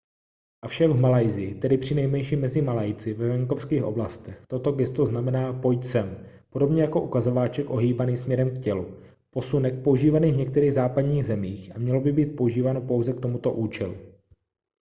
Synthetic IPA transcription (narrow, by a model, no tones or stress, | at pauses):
ʔafʃakvmalajzɪjɪt̪ɛdɪpr̝̥ɪnɛjmɛnʃiːmɛzɪmalajt͡sɪvɛvɛŋko̞fskiːxʔo̞̰blast̪ɛxt̪o̞t̪o̞ɡɛst̪o̞znamɛnaːpo̞jt͡sɛm | po̞do̞bɲɛjako̞ʔukazo̞vaːt͡ʃɛkʔo̞ɦiːbaniːsmɲɛɾɛmkcɛlu | po̞sunɛk̚pouʒiːvaniːvɲɛk̚t̪ɛɾiːɣzaːpadɲiːɣzɛmiːxʔamɲɛlo̞bɪbiːt̪̚pouʒiːvaːno̞po̞wzɛk̚t̪o̞mut̪oʔuːt͡ʃɛlṵ